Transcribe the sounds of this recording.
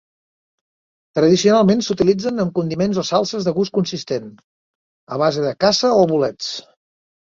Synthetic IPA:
t̪ɾəðisiunalˠmensut̪ilid͡zənəmkund̪imenzosalˠsəzðəɣuskunsist̪en | əβ̞azeðəkasəoβulɛt͡s

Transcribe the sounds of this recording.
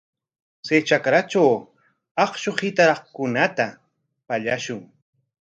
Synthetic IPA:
t͡sejt͡ʃakɾat͡ʃaw | ɑχʃoχɪt̪aɾɑχkʊnat̪a | paʎaʃʊŋ

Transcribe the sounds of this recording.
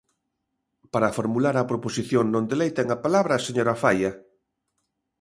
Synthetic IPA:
paɾafoɾmulaɾɐpɾoposiθjoŋnõnd̪elejt̪eŋapalaβɾɐseɲoɾafajɐ

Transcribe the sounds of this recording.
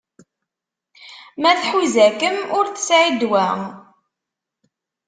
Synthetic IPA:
mæθħwizækəmʊɾθə̥sʕid̪wæ

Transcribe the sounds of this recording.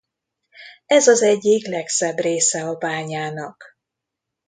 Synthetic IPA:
ɛzɒzɛɟːiklɛksɛbreːsɛɒbaːɲaːnɒk

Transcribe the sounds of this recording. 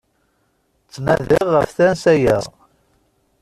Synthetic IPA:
t͡sːnæðɪʁːəfθænsæjæ̰ʁ

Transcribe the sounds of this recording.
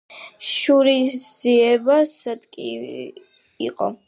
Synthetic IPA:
ʃuɾisd̪z̥iɛbasad̪kʼḭ | ḭqʼɔ̰

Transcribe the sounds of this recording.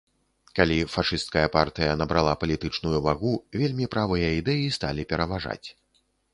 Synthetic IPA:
kalʲifaʂɨst̪̚kɐjɐpart̪ɨjɐnɐbɾalˠapɐlʲit̪ɨt͡ʂnujuvaɣuvʲelʲmʲipɾʔavɨjɐid̪ɛjist̪alʲipʲɛɾɐvaʐa̰t͡sʲ

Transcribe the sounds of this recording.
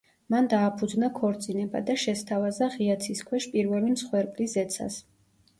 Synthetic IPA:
mand̪aːpʰud̪znakʰɔɾt̪sʼinɛba̰d̪aʃɛst̪ʰavazaʁiat̪sʰiskʰwɛʃpʼiɾvɛlimsχwɛɾpʼliszɛt̪sʰa̰s

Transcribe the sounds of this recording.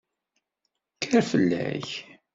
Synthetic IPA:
kəɾfəlːæ̰ç

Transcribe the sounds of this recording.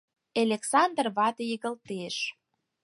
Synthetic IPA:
elʲeksɑnd̪rβɑt̪ejəɣə̆lt̪eʃ

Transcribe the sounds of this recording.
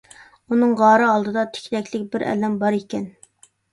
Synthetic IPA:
unɨŋʁɑːɾɨɑlˠd̪ɨd̪ɑt̪ʰɪ̥kʲʰd̪ɛkʲʰlɪkʲbɪɾɛ̰lɛmbɑɾikʲɛn

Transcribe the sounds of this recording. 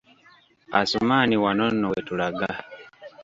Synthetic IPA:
a̰sumaːniwanonːoetulaɡa

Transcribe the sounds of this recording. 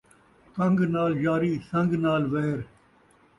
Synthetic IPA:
k̪ɐ̃ŋɡnaːld͡ʒaːɾiːsɐ̃ŋɡnaːlʋeːɾ

